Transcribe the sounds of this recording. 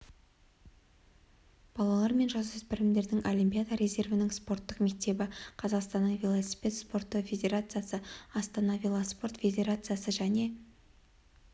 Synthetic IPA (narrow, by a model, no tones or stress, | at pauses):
b̥ɑlˠɑlˠɑɾme̞nʒɑzʏzbɪɾɪmd̪e̞ɾd̪ɪŋʔolʲimpʲijad̪aɾe̞ze̞rvɪnɪŋspo̞rt̪ːəqme̞k̚t̪e̞bɪqʰɑzɑqst̪ɑnːəɴvʲe̞lˠosi̥pʲe̞t̪spo̞rt̪ːəfʲe̞d̪ʲe̞ɾat̪sɨjasəɑst̪ɑnɑvʲe̞lˠospo̞rt̪fʲe̞d̪ʲe̞ɾat̪sɨjasəʒæne̞